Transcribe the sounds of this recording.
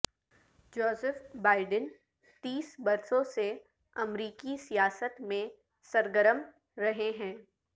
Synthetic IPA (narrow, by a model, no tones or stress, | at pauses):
d͡ʒɔːzəfbaːɪɖən | t̪iːsbɐɾsõse | ɐmɾiːkisijaːsət̪mẽ | sɐɾɡəɾəm | ɾɐɦeɦɛ̃ː